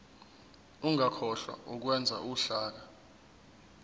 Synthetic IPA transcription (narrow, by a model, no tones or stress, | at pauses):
uŋʱakʰɔɬwa̰uk̬wɛnd͡zʱaʔuɬaːk̬a